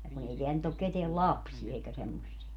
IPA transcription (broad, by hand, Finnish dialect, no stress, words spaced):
jɑ kun ei teæl nyt ok keteæl lɑpsie eikæ semːosːie